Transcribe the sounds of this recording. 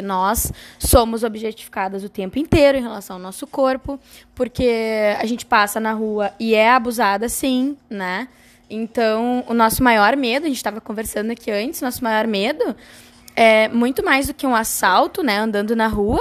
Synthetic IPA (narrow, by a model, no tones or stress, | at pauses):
nɔsːõmʊzobiʒet͡ʃi̥fi̥kad̪ɐzʊt̪ẽmpʊẽnt̪ejɾʊẽɦelasɐ̃w̃aɐwnɔsʊkoɾpʊpoɾkea̰ʒẽnt͡ʃɪ̥pasɐnɐɦuɐɪɛabuzad̪ɐsĩnɛ | ẽnt̪ɐ̃w̃ʊnɔsʊmajɔɾmed̪ʊɐʒẽt͡ʃɪ̥t̪avɐkõveɾsɐ̃nd̪ʊakʰiɐ̃nt͡ʃɪzʊnɔsʊmajɔɾmed̪ʊ | ɛmũj̃t̪ʊmajzd̪ʊkɪũasawt̪ʊnɛɐ̃nd̪ɐ̃nd̪ʊnɐɦuɐ